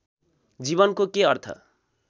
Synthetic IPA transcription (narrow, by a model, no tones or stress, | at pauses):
d͡ziβʌnkokeʌrt̪ʰʌ̰